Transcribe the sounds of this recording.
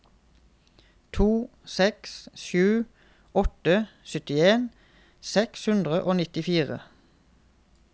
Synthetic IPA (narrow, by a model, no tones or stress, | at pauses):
t̪ʰuː | sɛksʃʉː | ɔt̪əsʏt̪ɪeːn | sɛkshʉnd̪ʁəʔoːnɪt̪ɪfiːʁə̰